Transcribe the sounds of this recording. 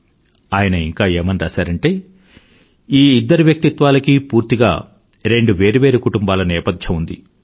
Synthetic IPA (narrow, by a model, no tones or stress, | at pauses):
aːjɐnɐiŋkaːeːmɐniɾaːsaːɾɐɳʈe̞ː | iːid̪ːɐɾuʋjɐk̚t̪it̪ʋaːlɐkipuːɾt̪iɡa̰ː | ɾe̞ɳɖuʋe̞ːɾuʋe̞ːɾukuʈumbaːlɐnɛːpɐd̪ʱjɐmund̪ḭ